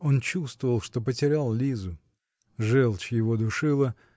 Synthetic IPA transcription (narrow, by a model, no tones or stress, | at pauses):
o̞nt͡ɕust̪vəvəlˠʂt̪o̞pətʲɪɾʲalˠlʲizʊ | ʐɛlˠt͡ɕjɪvo̞d̪ʊʂɨlˠə